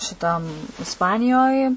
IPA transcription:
ʃʲɪˈtɐm ɪsˈpɑːnʲɪjoːj

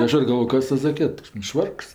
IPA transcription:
ˈɐʃ ɪr ɡɐlˠˈʋoːjoː ˈkɐs ˈtɐs zɐˈkʲiɛt nʊ ˈʃʋɐrks

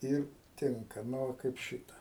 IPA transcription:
ˈɪr ˈtʲɪŋkɐ ˈnʊ ʋɐ kɐɪp ˈʃʲɪtɐ

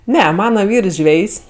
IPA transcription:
ˈnʲɛ ˈmɑːnɐ ˈʋʲiːrs ˈʒʲʋʲɛjsʲ

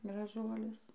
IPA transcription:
ɡrɐˈʒuɔlʲʊs

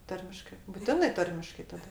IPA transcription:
ˈtɐrʲmʲɪʃkɜ bʊˈtʲɪnɜ ˈtɐrʲmʲɪʃkɐɪ tɐˈdɐ

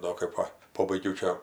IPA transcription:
ˈdoː kɜp ˈʋɐ ˈpoːbɐɪɡʲɛʊ ˈt͡ʃʲɛ

